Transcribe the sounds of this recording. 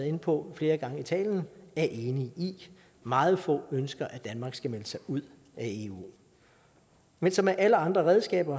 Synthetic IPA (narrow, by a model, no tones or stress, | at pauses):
ð̩ˠe̝npʰɒ̽fle̝ːɐɡ̥ɑ̈ŋəit͡sʰɛ̰ːljn̩æɐʔe̝ːnii | mɑ̈ːð̞̩ˠfɔ̰̽ːønsɡ̥ɐʔæd̥ænmɑ̈ːɡ̥sɡ̥æmeləsɑ̈ɪʔuð̰ˠ | æe̝ːṵː | mensɒ̽mæʔæləɑ̈nd̥ʁɐʁɛð̞ˠsɡ̥ɛ̰ːb̥ɐ